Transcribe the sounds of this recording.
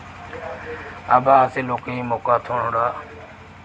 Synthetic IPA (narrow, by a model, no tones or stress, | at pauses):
abaːaːseːloːkeiːmoːkaːt̪ʰoːɳ̤õːɽaː